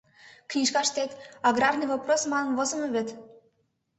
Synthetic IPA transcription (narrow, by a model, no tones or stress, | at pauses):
knʲiʃkɑʃt̪et̪ɑɡrɑrnɨjvaprosmɑnənvozə̆mə̆βet̪